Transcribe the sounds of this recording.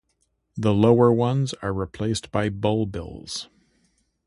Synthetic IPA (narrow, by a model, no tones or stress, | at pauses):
ðəloʊə˞wʌ̃nzə˞ɹipʰl̥eɪsb̥aɪbʌlˠbɪ̰lˠz̥